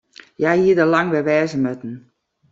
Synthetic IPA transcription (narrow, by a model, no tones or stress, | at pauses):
jajhiːədəlaŋʋɪʋɛːzəmøtn̩